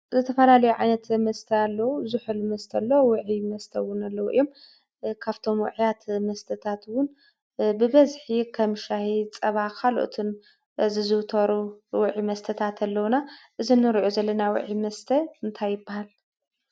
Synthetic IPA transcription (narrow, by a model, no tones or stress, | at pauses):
zɨt̪ʰɐfɐlalɐjuʕa̰jnɐt̪mɐst̪ʰɐalːɐwuzuħɨlmɐst̪ʰɐlːɐwwʊʕimɐst̪ʰɐwʊnalːɐwuʔɨ̰jːo̞m | kʰaβt̪ʰo̞mw̰ʕjat̪mɐst̪ʰɐt̪ʰat̪wʊn | bɨβɐzħikʰɐmʃahit͡sʼɐβakʰaloʔt̪ʰun | zɨzɨwt̪ʰɐɾuwʊʕimɐst̪ʰɐt̪ʰat̪ʰalːɐwnaʔɨzinːɨɾʔozɐlːɐnawʊ̰ʕimɐst̪ʰɐɨnt̪ʰajːɨbːahal